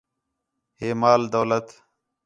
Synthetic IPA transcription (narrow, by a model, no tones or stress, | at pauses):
heːmaːld̪əːlət̪